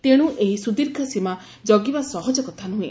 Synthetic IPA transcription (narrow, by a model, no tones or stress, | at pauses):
t̪eɽ̃ũʔeɦisud̪iɾkʰasima | d͡ʒɔɡibasɔɦɔd͡ʒɔkɔt̪ʰanuɦũẽ